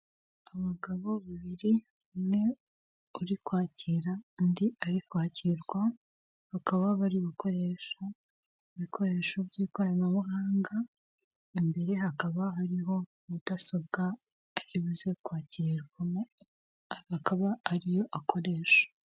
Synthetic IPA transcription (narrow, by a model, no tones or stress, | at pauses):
aβaɡaβo̞βiβiɾi | umŋe̞ | uɾikwaːciɾandiaɾikwaːciɾɡwa | βakaβaβaɾiβukʰo̞ɾe̞ʃa | iβikʰo̞ɾe̞eːʃobjiːko̞ɾanaβuɦaːŋɡa | imbe̞ɾe̞ɦakaβaɦaɾiɦo̞ | βudasob̚ɡaː | ɾiβuzekwaːciɾiɾɡwa | akaβaːɾijo̞ʔakʰo̞ɾe̞ːʃḁ